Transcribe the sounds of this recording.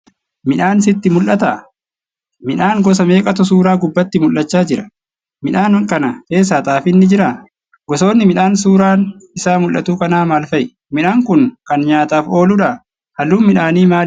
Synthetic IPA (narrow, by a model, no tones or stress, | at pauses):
mɪᶑaːns̬ɪt̪ːɪmʊlʔɐt̪ɐ | mɪᶑaːŋɡɔs̬ɐme̞ːkʼɐt̪ʊs̬uːɾaːɡʊbːɐt̪ːɪmʊlːɐt͡ʃːaːd͡ʒɪɾɐ̥ | mɪᶑaːnkʼɐnɐke̞ːs̬ːaːt̪ʼaːfɪnːɪd͡ʒɪɾaː | ɡɔso̞ːnːɪmɪᶑaːnsuːɾaːnɪsaːmʊlʔːɐt̪uːkɐnaːmaːlfɐjɪ | mɪᶑaːŋkʊŋkɐnɲaːt̪aːfo̞ːlʊᶑɐ | hɐlːuːmɪᶑaːniːmaː